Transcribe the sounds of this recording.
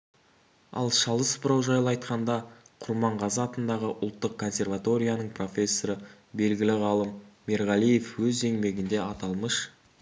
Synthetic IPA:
ɑ̰lˠʃɑlˠəspʊɾɑwʒɑjlˠɑjt̪qɑnd̪ɑqʰʊɾmɑɴʁɑzɑɑt̪ənd̪ɑʁəʔʊ̰lˠt̪ːəq̚kʰːo̞nsʲe̞rvat̪o̞ɾʲijanəɴpʰro̞fʲe̞sːo̞ɾə | be̞lɡʲɪlɪʁɑlˠəmːe̞ɾʁɑlˠije̞fwɵze̞ŋme̞ɡʲɪnd̪e̞ɑt̪ɑlˠməʃ

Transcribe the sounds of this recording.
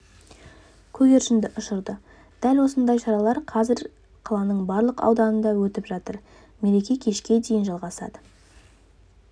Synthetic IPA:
kʲʰɵɡʲe̞ɾʃɪnd̪ɪʔʊʃəɾd̪ə | d̪̥ælwo̞sənd̪ɑjʃɑɾɑlˠɑɾqʰɑzɪɾ | qʰɑlˠɑnəɴbɑɾlˠəqɑ̰wd̪ɑnənd̪ɑwɵt̪ɪpʒ̥ɑt̪əɾ | me̞ɾe̞kʲe̞kʲʰe̞ʃkʲe̞d̪e̞jɪnʒɑlˠʁɑsɑ̰d̪ə

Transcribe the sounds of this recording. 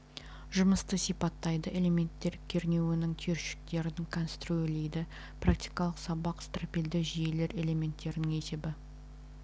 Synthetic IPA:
ʒʊməst̪əsijpɑt̪ːɑjd̪əʔe̞le̞mʲe̞nt̪ːe̞ɾkʲʰe̞ɾne̞wɪnɪŋt̪ʰeɾʃɪ̥k̚t̪e̞ɾɪnɪŋkʰonst̪ruelejd̪ɪ | prak̚t̪ijkɑlˠəqsɑbɑqst̪ropʲild̪ɪʒije̞le̞ɾe̞le̞me̞nt̪ːe̞ɾɪnɪŋe̞se̞bɪ

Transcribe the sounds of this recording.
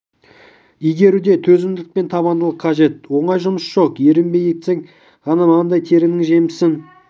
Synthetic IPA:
ijɡʲe̞ɾud̪e̞t̪ʰɵzɪmd̪ɪk̚pe̞nt̪ʰɑβɑnd̪əlˠəqʰɑʒe̞t̪̚wo̞ɴɑjʒʊməsʒ̥o̞qje̞ɾɪmbe̞jekseŋ | ʁɑnɑmɑʁɑnd̪ɑjt̪ʰe̞ɾɪnɪŋʒe̞mɪsɪŋ

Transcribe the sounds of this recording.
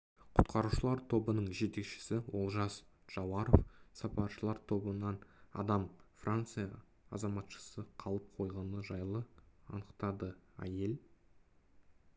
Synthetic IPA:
qʰʊ̥t̪qʰɑɾuʃəlˠɑɾt̪ʰo̞bənəɴʒe̞t̪e̞kʃɪ̥sɪwo̞lˠʒɑs | ʒ̥ɑwɑɾofsɑpɑɾʃəlˠɑɾt̪ʰo̞bənɑnɑ̰d̪ɑmfrʔant̪sɨjɑ | ɑzɑmɑt̪ʃə̥səqʰɑlˠəp̚qʰo̞jʁɑnəʒɑjlˠəɑ̰nəqt̪ɑd̪əæ̰je̞l

